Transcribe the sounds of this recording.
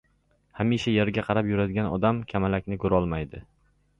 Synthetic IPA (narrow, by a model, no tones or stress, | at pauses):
hamiʃajeɾɡʲaqʰɑɾapjʊɾad̪ɪɡʲanɒ̰d̪amkʲʰamalakʲnɪkʰɵɾɒlˠmajd̪ɪ